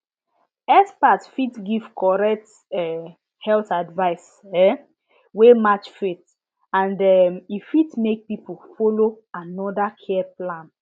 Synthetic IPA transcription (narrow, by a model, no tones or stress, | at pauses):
ɛspatfitɡivkʰɔɹɛk̚t | ɛ | hɛltadvaɪs | ɛ | wemat͡ʃfit | ãndɛmifitmek̚pipufolo | anɔdakʰɛɛplãn